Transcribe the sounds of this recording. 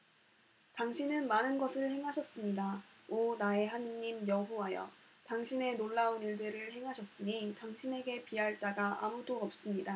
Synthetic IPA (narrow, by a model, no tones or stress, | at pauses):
taŋɕʰinɯnmanɯnɡʌsʰɯɭhe̞ŋɦaɕʰʌs͈ɯmɲidaonae̞ɦanɲimjʌɸuwajʌ̰ | taŋɕʰine̞noɭːauniɭdɯɾɯɭhe̞ŋɦaɕʰʌs͈ɯɲitaŋɕʰine̞ɡe̞piɦaɭt͡ɕ͈aɡaʔa̰mudoʌp̚s͈ɯmɲida